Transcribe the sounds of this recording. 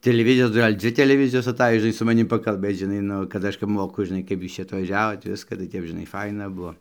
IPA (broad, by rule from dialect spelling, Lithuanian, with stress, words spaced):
tʲɪlʲɪˈʋʲɪzʲɪjoːs ˈɡɐlʲ ˈd͡zʲʋʲɪ tʲɛlʲɛˈʋʲɪzʲɪjoːs ɐˈtɐj ʒʲɪˈnɐɪ sʊ mɐˈnʲɪm pɐkɐlʲˈbʲeːt͡s ʒʲɪˈnɐɪ ˈnʊ kɐt ˈɐʃ kɐp ˈmoːkʊ ʒʲɪˈnɐɪ kɐɪp ˈjuːs ɐtʋɐˈʒʲæːʋoːt ˈʋʲɪskɐ tɐɪ ˈtʲɛp ʒʲɪˈnɐɪ ˈfɐɪnɐ ˈbʊʋoː